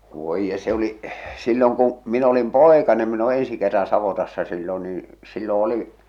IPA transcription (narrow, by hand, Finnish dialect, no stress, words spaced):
ʋoij je se oliʔ silːoŋ kũː min olim poˑekɑnem min o ensi kerːɑn sɑʋotɑsːɑ silːon niː silːo oli